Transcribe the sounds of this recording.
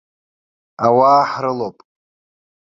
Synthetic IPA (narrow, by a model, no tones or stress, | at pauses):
awaːħɾɨlopʼ